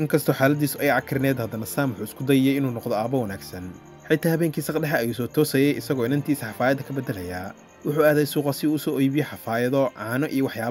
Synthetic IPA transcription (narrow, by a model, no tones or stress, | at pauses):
ʔɪŋkʰɐst̪ʰɔːħaːlɐd̪iːsʊɛjʕɑkʰɪɾɪnɛːd̪hɐd̪ɐnɐsaːmwʊħuːɪskʰʊd̪ɐjɛjɛjɪnuːnɔqd̪ɔaːbɐwɐnaːɡsɐn | ħɪjt̪ʰaːhɐβɛːŋkʰiːsɐqɖɛħɐːjuːsɔːt̪ʰɔːsɛjɛjɪsɐɣɔːɪnɐnt̪ʰiːsɐħɑfaːjɐd̪ɐkʰɐbɛd̪ɛlɐjaː | wʊħuːaːðɛjsuːqɑsɪuːʊsɔːɔjbɪjɛħɑfaːjɐðɔʕaːnɔʔijɔwɑħjaː